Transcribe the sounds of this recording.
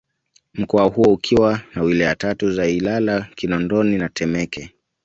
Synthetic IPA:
m̩kɔahuɔukʰiwanawilɛjatatuzailalakinɔndɔninatʰɛmɛkɛ

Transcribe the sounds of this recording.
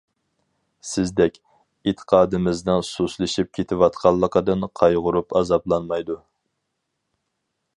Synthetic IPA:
sɪzd̪ɛkʲ | et̪ʰːə̥qʰɑːd̪ɨmɪznɨŋsuslˠɨʃip̚kʲʰet̪ʰɪwɑt̪qʰɑlˠːəqəd̪ɨnqʰɑjʁʊɾupɑzɑblˠɑnmɑjd̪u

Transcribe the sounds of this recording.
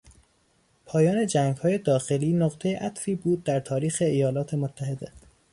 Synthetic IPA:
pʰɒːjɒːne̞d͡ʒæŋɡhɒːje̞d̪ɒːxe̞liːnoɢt̪ʰejeʔæt̪fiːbuːd̪̚ːæɾt̪ʰɒːɾiːxe̞ːjɒːlɒːt̪ʰe̞mot̪ʰːæɦe̞d̪e̞

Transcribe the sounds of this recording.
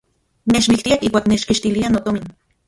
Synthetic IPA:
net͡ʃmikt̪iakihkʷwaːknet͡ʃkiʃt̪ilianot̪omin

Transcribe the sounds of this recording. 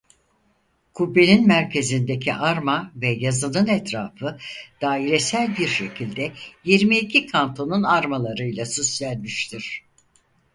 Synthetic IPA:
kʰubːe̞ninmæɾcʰe̞zind̪e̞cʰiʔaɾmavɛjazɯnɯnɛt̪ʰɾaːfɯd̪̥aːiɾesælʲbiɾʃe̞cʰilʲd̪ɛjiɾmiːcʰikʰant̪ʰo̞nunaɾmalˠaɾɯjlˠasusj̪ælʲmiʃt̪ʰiɾ̥

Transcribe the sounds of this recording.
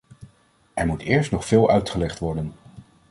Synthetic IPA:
ɛɹmutɪːɹstnɔχfɪːlˠœɥtχəlɛχtʋɔɹdən

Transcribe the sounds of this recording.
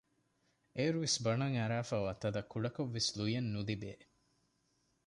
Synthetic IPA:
eɾuʋesbɐnɐŋɐɾaːfaːʋat̪ɐd̪ɐkʰːuɖɐkoʋːeslujɐnːud̪ibeː

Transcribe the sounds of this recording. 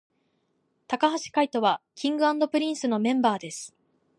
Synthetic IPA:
t̪akaɦaɕi̥kait̪o̞βakʲʰĩŋɡɯ̟ãnd̪o̞pɯ̟ɾʲĩɰ̃sɨno̞mẽ̞mbaːd̪e̞sɨ̥

